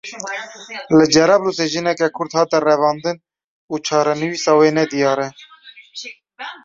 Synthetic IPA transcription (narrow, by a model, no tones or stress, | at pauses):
lɨd͡ʒɛɾɑbluseʒɨnɛkɛkʰʊɾd̪hɑːt̪ɛrɛvɑːnd̪ɨn | uːt͡ʃʰɑːɾɛnɨwisɑwenɛd̪ijɑːɾɛ